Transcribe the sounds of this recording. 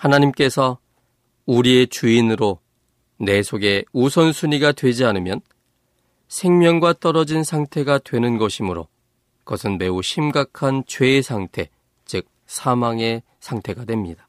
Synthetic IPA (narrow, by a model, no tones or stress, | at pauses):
hanaɲimk͈e̞sʰʌ | uɾie̞t͡ɕuinɯɾo | ne̞sʰoɡe̞usʰʌnsʰuɲiɡatwe̞d͡ʑianɯmjʌn | sʰe̞ŋmjʌŋɡwat͈ʌɾʌd͡ʑinsʰaŋtʰe̞ɡatwe̞nɯnɡʌɕʰimɯɾo | kʌsʰɯnme̞uɕʰimɡakʰant͡ɕwe̞ːsʰaŋtʰe̞ | t͡ɕɯk̚ | sʰamaŋe̞ | sʰaŋtʰe̞ɡadwe̞mɲida